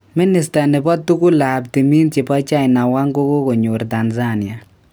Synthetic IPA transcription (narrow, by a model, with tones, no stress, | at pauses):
mi˦nɪ˨sta˨nɪ˨bɔ˦ttːu˦ku˦la˨p̚ti˨mi˦nt͡ʃɪ˨pa˦t͡ʃa˦ɪna˨wa˦ŋɡo˦ko˦ko˨ɲo˨ɾta˨nza˦nɪ˨a˨